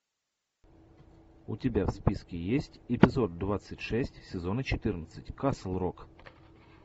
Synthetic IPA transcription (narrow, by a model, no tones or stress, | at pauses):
ʊ̰tʲɪbʲafspʲiskʲɪjesʲtʲɪpʲɪzo̞d̪̚d̪vat̪sɨtʲʂɛsʲtʲsʲɪzo̞nət͡ɕɪt̪ɨrnət̪sɨtʲkaslˠrok